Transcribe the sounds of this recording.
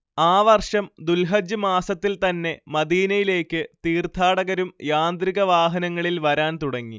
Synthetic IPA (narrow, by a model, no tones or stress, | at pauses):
aːʋɐrʂɐmd̪ulɦɐd͡ʑɨmaːsɐt̪ːilt̪ɐnːe̞mɐd̪iːnɐjile̞ːkːɨt̪iːrt̪ʰaːɽɐɣɐɾumjaːnd̪ɾiɣɐʋaːɦɐnɐŋːɐɭilʋɐɾaːnt̪uɽɐŋːi